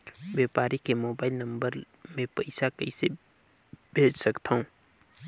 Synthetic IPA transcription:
wjeːpaːɾikemoːbaːɪlnɐ̃mbəɾ | mẽpɐɪsakɐise | b̥ʱeːd͡ʒsɐkt̪aɦũː

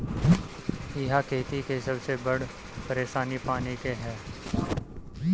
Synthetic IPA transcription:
ɪɦakʰeːt̪ikesɐbsebɐɽ | pɐɾeːʃaːnipaːnikeɦɛː

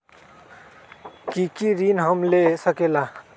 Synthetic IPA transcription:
kikiɾinɦəmlesəkela

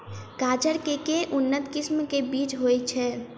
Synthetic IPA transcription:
kaːd͡ʒəɾkekeʔunːət̪kismkebit͡ʃɦojt͡ʃʰɛ

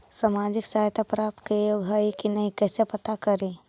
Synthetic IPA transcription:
saːmaːd͡ʒɪksaːɦjt̪ʰapɾaːp̚t̪kejoːɡʱaːikinɐɦĩkɛːsepɐt̪akəɾe

